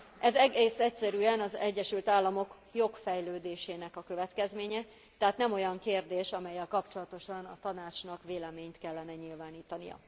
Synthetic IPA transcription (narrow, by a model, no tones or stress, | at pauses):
ʔɛzɛɡeːsɛcsɛɾyːɛnɒzɛɟːɛʃylt̪aːlːɒmo̞k | jo̞kfɛjløːd̪eːʃeːnɛkɒkø̞vɛt̪kɛzmeːɲɛ | t̪ɛɦat̪nɛmo̞jɒŋkeːrd̪eːʃɒmɛjːɛlkɒpt͡ʃo̞lɒt̪o̞ʃɒnɒ̰t̪ɒnaːt͡ʃnɒkʋeːlɛmeːɲt̪kɛlːɛnɛɲilvaːniːt̪ɒnijɒ̰